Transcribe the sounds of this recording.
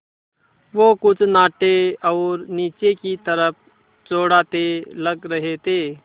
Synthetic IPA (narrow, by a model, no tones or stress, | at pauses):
ʋokʊt͡ʃʰnaːʈeɔːɾniːt͡ʃekit̪əɾəp̚ʰ | t͡ʃoːɽaːt̪eləɡɾəɦet̪eː